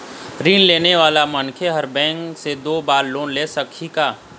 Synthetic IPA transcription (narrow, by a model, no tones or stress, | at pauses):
ɾiːnleːneʋaːlamɐnkʰeɦɐɾbɛ̃ːŋksed̪oːbaːɾloːnleːsɐkʰikaː